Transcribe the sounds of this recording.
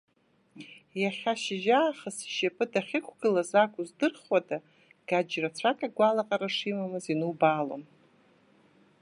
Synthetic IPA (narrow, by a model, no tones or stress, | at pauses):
jaχʲaʃɪʒaːχəsiʃapʼɨdaχʲɪkʷʰɡɨlazakʷʼuzdɨrχwadʼa | ɡ̥ad͡ʒrat͡ɕʷʰakʼaɡʷalaqʼaɾaʂimamɨzinɨwbalo̰m